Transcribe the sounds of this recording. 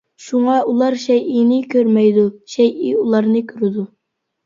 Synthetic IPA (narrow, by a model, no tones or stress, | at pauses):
ʃuŋɑʔulˠɑɾʃɛjinɪkʲʰøɾmɛjd̪uʃɛjiulˠɑɾnɨkʲʰyɾɪd̪u